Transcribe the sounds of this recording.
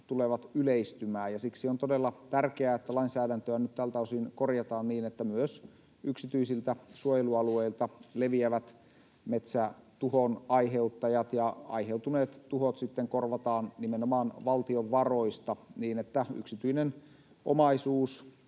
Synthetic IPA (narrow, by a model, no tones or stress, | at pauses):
t̪uleʋɑt̪yleist̪ymæːjɑsiksiont̪odelːɑt̪ærkeæet̪ːælɑinsæːdænt̪øænyt̪t̪ælt̪ɑusinkorjɑt̪ɑːnniːnet̪ːæmyøs | yksit̪yisilt̪æsuojeluɑlueilt̪ɑleʋiæʋæt̪ | met̪sæt̪uhonɑiɦe̞ut̪ːɑjɑt̪jɑɑ̰iɦewt̪uneːt̪t̪uhot̪sit̪ːeŋkorʋɑt̪ɑːnnimenomɑːnʋɑlt̪ioʋʋɑro̞ist̪ɑniːnet̪ːæy̰ksit̪yinen | ʔomɑisuːs